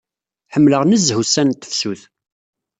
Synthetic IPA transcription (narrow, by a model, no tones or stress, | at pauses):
ħəmːləʁnəzɦusænt̪ːə̥fsuθ